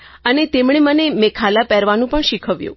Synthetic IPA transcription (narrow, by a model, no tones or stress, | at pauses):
ənet̪emɳ̃emənemɛkʰalapɛɾʋanũpəɳʃikʰəʋjṵ̃